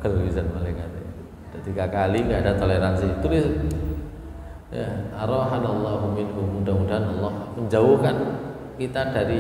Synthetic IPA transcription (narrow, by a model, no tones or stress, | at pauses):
ɡəlizanmalakat̪ | d̥at̪iɡakaliŋəadat̪oleɾansiːt̪ulis | ja̰aɾɔɦadɔlːɔhmumɪnkumudamudaɦanɔlːɔhməɲd͡ʒauhkan | kit̪adaɾi